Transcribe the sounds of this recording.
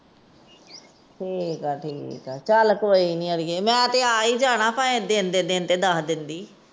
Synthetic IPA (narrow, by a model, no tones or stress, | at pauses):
ʈʰiːkaːʈʰiːkaːt͡ʃəlkoːiːnĩːəɽɪjeːmɛ̃ːt̪eːaːiːd͡ʒaːɽ̃ãːpaẽd̪eːnd̪eːd̪eːnt̪eːd̪aːɦd̪ɪnd̪iː